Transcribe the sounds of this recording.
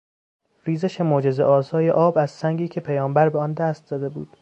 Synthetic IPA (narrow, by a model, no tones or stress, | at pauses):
ɾiːzeʃemod͡ʒe̞ze̞̰ʔɒːsɒːje̞ʔɒːbæzsæŋɟiːcʰe̞pʰejɒːmbæɾbeɒnd̪æst̪̚zɒːd̪e̞bṵːd̪̥